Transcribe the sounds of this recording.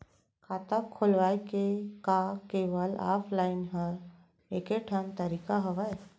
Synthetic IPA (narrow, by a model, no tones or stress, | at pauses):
kʰaːt̪akʰːolʋajkekakeːʋəla̰ːpʰlaɪnɦəɾ | eːkeʈʰənt̪əɾikaɦəʋaj